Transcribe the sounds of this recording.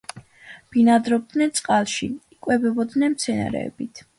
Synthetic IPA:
b̥inad̪ɾɔb̚d̪nɛnt̪sʼqʼalˠʃiikʼwɛbɛbɔd̪nɛnmt̪sʰɛna̰ɾɛ̰ːbit̪ʰ

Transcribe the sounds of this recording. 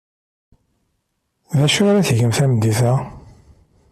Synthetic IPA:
ðæʃʊaɾæθʝəmθæməd̪ːiθæ

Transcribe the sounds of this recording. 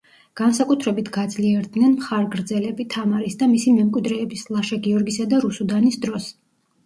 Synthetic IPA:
ɡ̥ansakʼut̪ʰɾɛbit̪ʰɡ̥ad̪zliɛɾd̪nɛnmχaɾɡɾd̪zɛlɛbit̪ʰamaɾisd̪amisimɛmkʼwid̪ɾɛːbislˠaʃaɡiɔɾɡisad̪aɾusud̪anisd̪ɾɔs

